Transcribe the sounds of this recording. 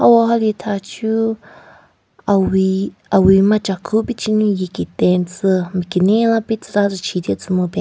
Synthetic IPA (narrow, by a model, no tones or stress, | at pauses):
hawaɦalit̪ʰat͡ʃʰu | awiawimãt͡ʃakʰupit͡ʃinũjikit̪ẽnt͡sɨmĩkinĩlãpit͡sɨt̪at͡sɨt͡ʃʰid̪jat͡sɨmɨ̃pe